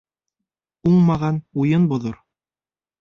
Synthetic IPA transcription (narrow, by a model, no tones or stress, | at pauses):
uɴmɑʁɑnujɤnbŏðoɾ